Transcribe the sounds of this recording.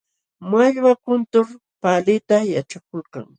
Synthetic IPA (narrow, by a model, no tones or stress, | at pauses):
maʎwakʊnt̪ʊɾ | palɪt̪ajaʈ͡ʂakolka̰ŋ